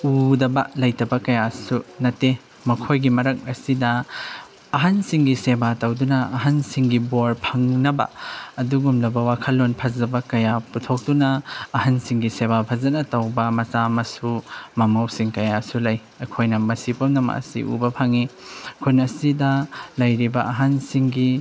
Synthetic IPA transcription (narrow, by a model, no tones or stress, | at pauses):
udɐbɐlɐjtɐbɐkɐjasunɐte | mɐkʰojɡimɐɾɐk̚ɐsidɐː | ɦɐnsiŋɡisebatɐwdunɐːɦɐnsiŋɡiboɾpʰɐŋnɐbɐ̰ɐduɡumlɐbɐwakʰɐlːonpʰɐzɐbɐkɐjaputʰok̚dunɐːhɐnsiŋɡisebapʰɐzɐnɐtɐwbɐmɐsamɐsumɐmɐwsiŋkɐjasulɐj | ɐkʰojnɐmɐsipomnɐmɐ̰ʔɐ̰sḭʔṵbɐpʰɐŋikʰunɐsidɐlɐjɾibɐɐɦansiŋɡi